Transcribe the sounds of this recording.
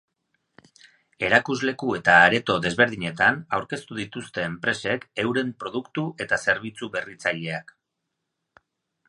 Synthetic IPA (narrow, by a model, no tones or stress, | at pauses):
e̞ɾakuzle̞kue̞t̪aːɾe̞t̪o̞ðe̞zβe̞ɾð̞iɲe̞t̪anawɾke̞st̪uð̞it̪ust̪e̞ːmpɾe̞se̞ke̞wɾe̞mpɾo̞ð̞ukt̪uʔe̞t̪ase̞ɾβ̞it͡suβe̞rit͡saʎe̞ak